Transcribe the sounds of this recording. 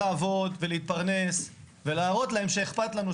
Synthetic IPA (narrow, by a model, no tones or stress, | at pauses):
aːvo̞d̪ve̞leit̪̚paʁne̞s | ve̞laːʁo̞t̪lae̞mʃeeχpat̪lanu